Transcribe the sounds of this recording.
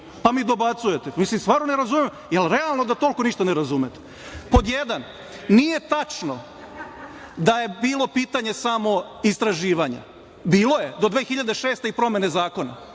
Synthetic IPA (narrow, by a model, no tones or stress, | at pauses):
pamiːd̪o̞bat̪sujet̪emislimst̪ʋaːɾnoneɾazumem | jelɾealˠno̞d̪at̪o̞lko̞niʃt̪aneɾazumet̪e̥ | pod̪jed̪an | nije̞t̪at͡ʃno | d̪ajebiːlˠo̞piːt̪aɲe̞samo̞ist̪ɾaʒiːʋaɲa̰ | biːlˠo̞je̞d̪o̞d̪ʋeːxiʎad̪e̞ʃeːst̪eipɾo̞mene̞zaːko̞na̰